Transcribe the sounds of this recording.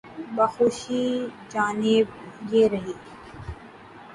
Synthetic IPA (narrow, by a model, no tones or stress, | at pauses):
bɐxoːʃid͡ʒaːnɪbjeɾɐɦiː